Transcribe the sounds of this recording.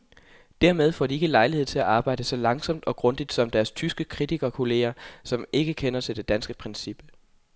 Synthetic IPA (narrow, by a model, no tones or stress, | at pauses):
d̥æɐmeð̞ˠfɒ̰ːdie̝ɡ̥əlɑ̈ɪlihe̝̰t͡sʰe̝læʔɑ̈ːb̥ɑ̈ɪ̰d̥əsɒ̽lɑ̈ŋsɒ̽m̰d̥ɒ̽ɡ̥ʁɔ̽nd̥id̥sɒ̽md̥æɐst͡sʰysɡ̥əkʰʁit͡sʰiɡ̥ɐkʰo̝le̝̰ːɐsɒ̽me̝ɡ̥əkʰenɐt͡sʰe̝ld̥e̝d̥ænsɡ̥əpʰʁɛnsib̥ə